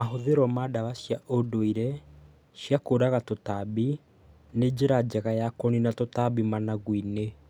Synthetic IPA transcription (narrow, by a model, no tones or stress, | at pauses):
aɦoðeɾɔmadaβaʃjaʔodoiɾɛ | ʃjakoːɾaɣatotaβi | ned͡ʑeɾad͡ʑɛɣajakɔninatotaβimanaɣwine